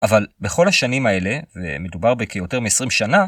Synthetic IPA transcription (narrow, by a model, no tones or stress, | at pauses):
ʔavalbe̞χo̞lhaʃanimae̞le̞vḛmedubaʁbekejo̞te̞ʁmeːsʁimʃana